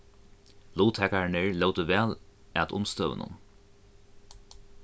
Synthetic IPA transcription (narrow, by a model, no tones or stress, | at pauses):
luːt̪ʰɛkaɹɳeɹloːwt̪əʋɛːlɛt̪ʊmst̪œːʋə̰nʊ̰n